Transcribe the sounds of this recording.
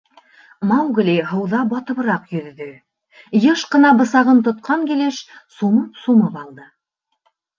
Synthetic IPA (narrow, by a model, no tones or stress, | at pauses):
mɑwɡliɦɤ̆wðɑbɑt̪ɤ̆βɤ̆ɾɑqjɵ̆ðːɵ | jɤʃqɤ̆nɑbɤ̆sɑʁɤmt̪ŏt̪̚qɑŋkileʃsumɤpsumɤpɑlˠd̪ɤ